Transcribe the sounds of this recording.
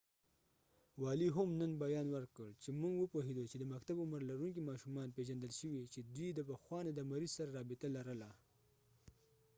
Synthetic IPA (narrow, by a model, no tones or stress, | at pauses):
wɑliɦamnənbajɑnwəɾkəɽt͡ʃemuŋɡwəpoɦed̪ot͡ʃed̪əmaxt̪abʊməɾlaɾuŋk̬imɑʃumɑnpeʒand̪əlʃəwit͡ʃed̪wid̪əpaxwɑnad̪əmaɾizsaɾaɾɑbɪt̪alaɾəla